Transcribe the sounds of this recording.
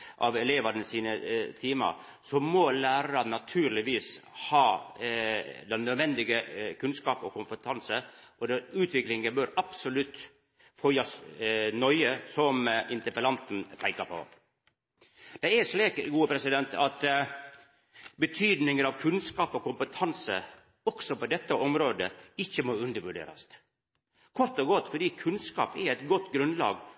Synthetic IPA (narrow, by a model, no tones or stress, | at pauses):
ʔɑ̰ʋɛleːʋɑɾnəsiːnət̪ʰiːmɑ̰ | sɔmɔlæːɾɑɾɑnɑt̪ʰʉːɾlɪʋiːshɑː | d̪ɛnːœd̪ʋɛnd̪ɪɡəkʰʉnskɑːpɔkʊmpət̪ʰɑnsə | ɔd̪ɛʉːt̪ʰʋɪklɪŋɡəbœɾɑpsɔlʉt̪ː | fœʏɑsnɔʏəsɔmɪnt̪əɾpəlɑnt̪n̩pʰæɪkɑpʰo̰ | d̪̥ɛɪɛʂliːkɡuːəpʰɾɛsɪd̪ɛnt̪ʰɑ̰t̪ | bət̪ʰyːd̪nɪŋəɾɑʋkʰʉnskɑːpɔkʊmpət̪ʰɑnsə̰ | ɔksɔpɔd̪ɛt̪ːəʔɔmɾoːd̪əɪçːəmoːʉnd̪əɾʋʉɖḛːɾɑ̰st̪ | kʰɔɾt̪ɔɡɔt̪ːfɔɖiːkʰʉnskɑ̰ːpɛɾɛt̪ɡɔt̪ːɡɾʉnd̪lɑ̰ːɡ